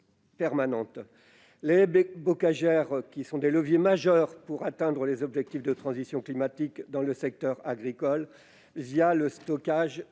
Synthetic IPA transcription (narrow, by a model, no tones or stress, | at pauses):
pɛʁmanɑ̃t̪ | lebɔkaʒɛʁkʲisɔ̃d̪eləvjemaʒœʁpuʁat̪ɛ̃d̪ʁəlezɔbʒɛk̚t̪ifd̪ət̪χɑ̃zisjɔ̃klimat̪ikd̪ɑ̃ləsɛk̚t̪œʁaɡʁikɔl | vijaləst̪ɔkaʒ